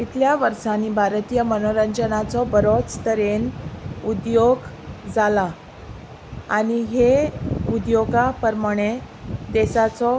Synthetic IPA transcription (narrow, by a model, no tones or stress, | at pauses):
it̪ʰljaʋəɾʂaniːbʱaɾt̪ijəmənoɾəɲd͡ʑənat͡sɔbəɾot͡st̪əɾenud̪joɡ | d͡zala | añiɦeud̪joɡapəɾməɽ̃e | d̪esat͡sɔ